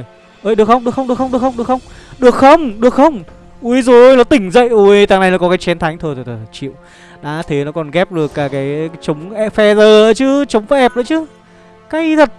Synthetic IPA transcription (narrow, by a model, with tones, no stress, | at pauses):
j | ʔəː˧˩jɗɨ˨˩əkxə˧wŋ͡mɗɨ˨˩əkxə˧wŋ͡mɗɨ˨˩əxə˧ŋ͡mɗɨ˨˩əkxə˧wŋ͡mɗɨ˨˩əkxə˧wŋ͡mɗɨ˨˩ək̚xə˧wŋ͡mɗɨ˨˩ək̚xə˧wŋ͡m | ʔu˧˦zo˨o˧˩˧jlɔ˨˦t̪ï˧˩ŋ̟zə̰˧˨jʔo˧jt̪aː˧˩ŋna˨˩jna˨˦kɔ˨˦kaː˨˦jt͡ɕɛ˨˦nt̪ʰa˨˦ŋ̟t̪ʰo˧jt̪o˨˩t̪ʰə˨˩˨t͡ɕḭ˧˨ə˨w | ɗa̰ː˨˧˦t̪ʰe˨˦nɔ˨˦kɔ˨˩nɣɛ˦˥p̚ɗɨ˨˩əkːaː˨˦kaː˨˦jt͡ɕə˨˦wŋ͡mʔɛ˧fɛ˧zəː˨˩əː˧˨˦t͡ɕɨ˧˦t͡ɕə˨˦wŋ͡mvə˨˦ʔɛ˨˩p̚ɗəː˧˦t͡ɕɨ˨˦ | kaː˧˨˦jt̪ʰə˨˩t̚